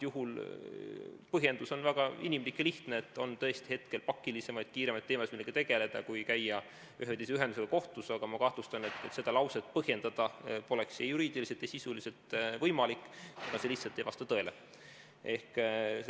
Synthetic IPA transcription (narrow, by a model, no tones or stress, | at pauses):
juɦul | pɤɦje̞nd̪̥uso̞nvæɡ̥ɑinimlikːjɑliht̪neet̪ːˑo̞nt̪ɤ̞e̞st̪ihe̞t̪ke̞lpɑkːilise̞mɑjd̪̥̚kiːɾe̞mɑjt̪ːeːmɑsmilːeɡ̥et̪e̞ɡ̥e̞le̞d̪̥ɑkujkæjːɑ | yɦed̪is̬eyɦend̪uselɑko̞ht̪usɑɡ̥ɑmɑkɑht̪lust̪ɑne̞t̪ːet̪se̞d̪̥ɑlɑwset̪pɤhje̞nd̪̥ɑd̪̥ɑpo̞le̞ksjejuɾiːd̪̥iliset̪jɑsisulise̞t̪vɤjmɑlikːˑnɑse̞liht̪sɑlt̪ːejvɑst̪ɑt̪ɤ̞e̞lḛ | e̞hk